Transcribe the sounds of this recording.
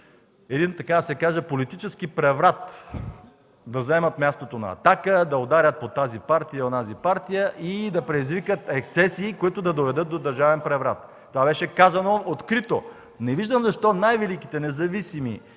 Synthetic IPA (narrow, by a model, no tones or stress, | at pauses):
ɛd̪int̪ɐkad̪ɐsɛkaʒəpolit̪it͡ʃɛskipɾɛvɾat̪ | d̪ɐzɐɛmɐt̪mʲjast̪ot̪onɐ̰ːt̪akəd̪ɐod̪aɾʲət̪̚pot̪azipaɾt̪ijəonazipaɾt̪ijəʔid̪ɐpɾɛd̪izvikət̪ɛksɛsiːkoit̪ʊd̪ɐd̪ovɛd̪ɤt̪̚d̪od̪ɐɾʒavɛnpɾɛvɾat̪ːovabɛʃɛkazɐnoot̪kɾit̪o | nɛviʒd̪əmzɐʃt̪ɔnajvɛlikit̪ɛnɛzɐvisimḭ